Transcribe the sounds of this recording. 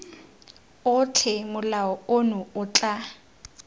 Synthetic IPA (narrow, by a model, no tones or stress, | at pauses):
ʊt͡ɬʰɛmʊlaɔonʊʊt͡ɬʼa